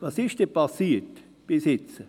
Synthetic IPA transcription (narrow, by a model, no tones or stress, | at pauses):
vɑsɪʃd̥ɛpɑsiːt | b̥ɪsɪt͡sə